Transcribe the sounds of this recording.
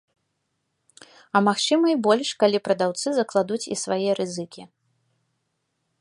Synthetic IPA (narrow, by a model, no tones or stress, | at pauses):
ɐmaxt͡ʂɨmɐjbɔlʲʂkalʲipɾɐd̪awt̪sɨzɐklˠad̪ut͡sʲḭsvajiɐɾʔɨzɨkʲi